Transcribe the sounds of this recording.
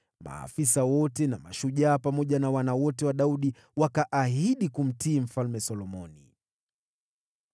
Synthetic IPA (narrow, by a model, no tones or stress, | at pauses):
ma̰ːfisawɔtɛnama̰ʃuʄaːpamɔʄanawanawɔtɛwaɗauɗi | wakaʔaɦiɗikum̩tiːm̩falmɛsɔlɔmɔ̰ni